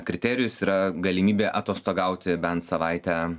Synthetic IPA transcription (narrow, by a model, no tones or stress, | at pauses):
kɾʲɪt̪ʲæɾʲɪjʊsiːɾɐɡɐlʲɪmʲiːbʲeːʔɐt̪oːst̪oːɡɐˑʊt̪ʲɪbʲɛnt̪sɐʋɐɪt̪ʲæ